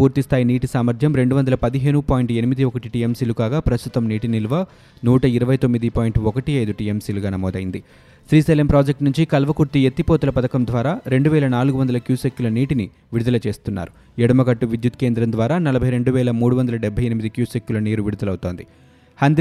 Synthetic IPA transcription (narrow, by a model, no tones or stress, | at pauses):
puːɾt̪ist̪ʰaːjiniːʈisaːmɐɾd̪ʱjɐmɾe̞ɳɖuʋɐnd̪ɐlɐpɐd̪iɦe̞ːnupaːjiɳʈenimid̪iɔkɐʈiʈiːemsiːlukaːɡaːpɾɐst̪ut̪ɐmniːʈinilʋɐ | nuːʈɐiɾɐʋɐjt̪omːid̪ipaːjiɳʈɔkɐʈiɐjd̪uʈiːemsiːluɡaːnɐmɔːd̪ɐjind̪i | sɾiːseːlempɾoːd͡ʒek̚ʈnuɲt͡ʃikɐlʋɐkuɾt̪iet̪ːipoːt̪ulɐpɐd̪ɐkɐmd̪ʋaːɾaːɾe̞ɳɖuʋɛːlɐnaːluɡuʋɐnd̪ɐlɐkjuːsekjulɐniːʈini | ʋiɽud̪ɐlɐt͡ʃe̞ːst̪unːa̰ːɾu | ɛɽɐmɐɡɐʈːuʋid̪jut̪̚ke̞ːnd̪ɾɐmnd̪ʋaːɾaːnɐlɐbʱɐjɾe̞ɳɖuʋɛːlɐmuːɽuʋɐnd̪ɐlɐɖɛbʱɐjenimid̪ikjuːsekːjulɐniːɾuʋiɽud̪ɐlɐwt̪o̞ːnd̪i | hɐnd̪